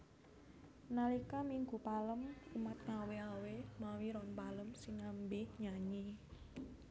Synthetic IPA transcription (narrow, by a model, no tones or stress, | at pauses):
nalikamiŋɡupaləmumat̪̚ŋaweawemawiɾɔnpaləmsiŋambeɲaɲi